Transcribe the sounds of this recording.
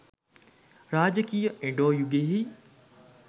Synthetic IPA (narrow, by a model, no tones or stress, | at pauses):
ɾaːd͡ʒəkijəẽɖoːjuɡeɦi